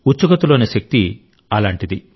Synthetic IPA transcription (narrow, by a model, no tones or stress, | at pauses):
ut͡ʃːɐɡɐt̪uloːneːʃɐk̚t̪i | ɐlaːɳʈid̪i